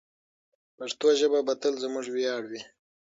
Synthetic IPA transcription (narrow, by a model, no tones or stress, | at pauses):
paɾt̪oʒəbabat̪əlzəmʊʐwjɑːɽwi